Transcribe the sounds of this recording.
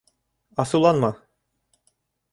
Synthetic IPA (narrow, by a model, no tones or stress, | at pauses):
ɑsɤwlˠɑnmɤ